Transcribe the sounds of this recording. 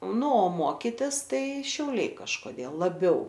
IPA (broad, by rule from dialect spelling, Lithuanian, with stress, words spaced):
ˈnʊ oː ˈmoːkʲɪtʲɪsˈtɐɪ ʃʲɛʊˈlʲɛɪ kɐʃkoːˈdʲeːlˠ lˠɐˈbʲɛʊ